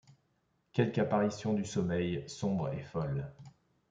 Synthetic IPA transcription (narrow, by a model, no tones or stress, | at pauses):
kʲɛlkapaʁisjɔ̃d̪ysɔmɛjsɔ̃bʁḛfɔl